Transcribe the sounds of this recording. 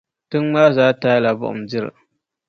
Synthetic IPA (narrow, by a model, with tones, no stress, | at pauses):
tʊ˦ŋma˦zaː˦ta˦la˨bʊ̰˦˨ʔʊ̰˨md͡ʒɪ˦ɾ